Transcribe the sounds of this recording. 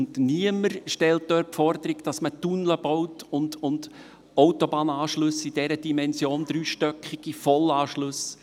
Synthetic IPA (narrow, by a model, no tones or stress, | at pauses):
ndniəməɾʃtɛlt̚d̥̪øːɾpfɔrd̪əɾiɡd̥ɑsmətunləb̥ɔwtʊndʊnd | ɔʊwt̪obɑːnɑːʃlʉsid̥ɛɾəd̥imɛnsjoːnd̪ɾyːʃtœkχiɡ̥ifɔlɑːʃlʊs